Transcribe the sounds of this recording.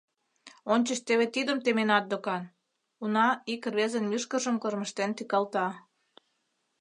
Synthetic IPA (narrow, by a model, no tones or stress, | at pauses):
onʲt͡ɕəʃt̪eβet̪id̪ə̆mt̪emenɑt̪̚d̪okɑn | unɑikrβezənmyʃkə̆ʒə̆mkɤ̆rmə̆ʃt̪ent̪ikɑlt̪ɑ